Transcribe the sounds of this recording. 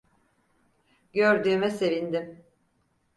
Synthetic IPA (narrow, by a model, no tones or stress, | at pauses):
ɟøɾd̪yːmɛse̞vind̪im